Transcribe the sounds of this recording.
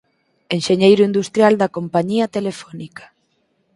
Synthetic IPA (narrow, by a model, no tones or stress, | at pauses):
enʃeɲejɾʊind̪ust̪ɾjald̪ɐkompaɲiɐt̪elefɔnikḁ